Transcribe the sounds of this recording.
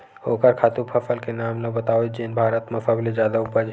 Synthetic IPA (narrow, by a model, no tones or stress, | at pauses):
oːkəɾkʰaːt̪upʰɐfʰəlkenaːmlɐbət̪aːwd͡ʒeːnbʱaːɾət̪mə̃fʰəbled͡ʒjaːd̪aʊpəd͡ʒ